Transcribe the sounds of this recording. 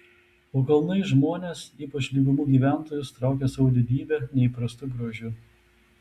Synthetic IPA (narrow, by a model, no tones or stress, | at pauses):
oːkɐlˠnɐɪʒmoːnʲeːsiːpɐt͡ʃlʲiːɡʊmuːɡʲiːʋʲæˑnˑt̪oːjʊst̪ɾɑˑʊkʲeːsɐʊd̪ʲɪd̪ʲiːbʲɛːnʲɛɪpɾɐst̪uɡɾoʒʲuː